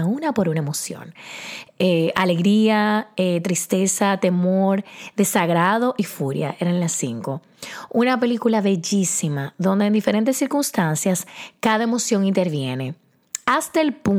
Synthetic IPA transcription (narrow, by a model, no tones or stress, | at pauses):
aunapo̞ɾunaemo̞sjo̰n | eale̞ɣɾiaet̪ɾist̪e̞sat̪e̞mo̞ɾðe̞saɣɾaðo̞ʔifuɾja̰ʔeɾaelasːḭŋko̞ | unape̞likulaβe̞ʝisimaðo̞nd̪eːnd̪ife̞ɾe̞nt̪e̞sːiɾkumst̪ansjaskaðae̞mo̞sjo̞ŋint̪e̞ɾβje̞ne̞ | ast̪aelpu